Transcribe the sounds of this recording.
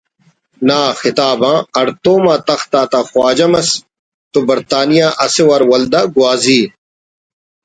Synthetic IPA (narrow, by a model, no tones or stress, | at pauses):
naːxɪt̪aːbãːɐɾt̪oːmaːt̪ɐxt̪aːt̪axwaːd͡ʑɐmɐs | t̪obɐɾt̪aːnijaːʔɐsewɐɾwɐld̪aɡwaːziː